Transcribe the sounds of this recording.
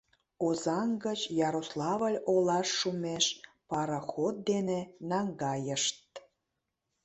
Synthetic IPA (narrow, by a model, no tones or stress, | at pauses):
ozɑŋɡət͡ɕjɑɾoslˠɑβəlʲolɑʃːumeʃ | pɑɾɑxot̪̚d̪enenɑŋɡɑjəʃt̪̚